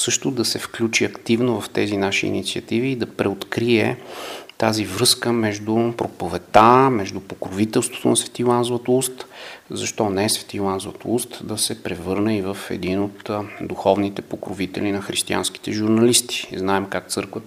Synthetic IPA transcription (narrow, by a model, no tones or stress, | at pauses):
sɤʃt̪ʊd̪ɐsɛfklʲut͡ʃiɐkt̪ivnovɐft̪ɛzinaʃiḭnit̪siət̪iviːd̪ɐpɾɛot̪kɾiɛ̰t̪azivɾɤskəmɛʒd̪upɾʔopovɛt̪amɛʒd̪upokɾovit̪ɛlˠst̪vo̥t̪o̰nɐsvɛ̥t̪ilˠanzovət̪oust̪zɐʃt̪ɔnɛɛsvɛ̥t̪ilˠanzovət̪oust̪d̪ɐsɛpɾɛvɤɾnɛivəfɛ̰d̪inot̪d̪uxɔvnit̪ɛpokɾovit̪ɛ̰linɐxɾist̪ia̰nsk̟i̥t̪ɛʒuɾnɐlist̪i̥znaɛmkak̚t̪sɤɾkvət̪